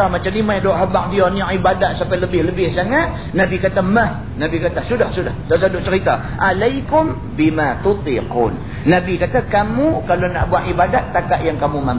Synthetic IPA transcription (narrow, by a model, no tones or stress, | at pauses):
amat͡ʃamnimajdoʔɦabaʔ̚dianiɔʔibadaʔ̪sampajləbɪhləbɪhsaŋat̪̚ | nabikat̪amah | nabikat̪asudahsudahdaʔs̬adʊʔ̚t͡ʃəɾit̪a | ʔalajkʊm | bimat̪ut̪ḭqṵːnː | abikat̪akamukalona̰ʔbuaʔibadaʔ̪ːakaʔjaŋkamumam